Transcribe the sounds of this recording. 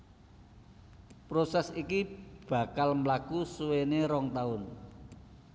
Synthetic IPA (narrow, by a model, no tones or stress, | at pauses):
pɾosɛsikib̥ä̤kalmlakusuweneɾɔŋt̪aʊn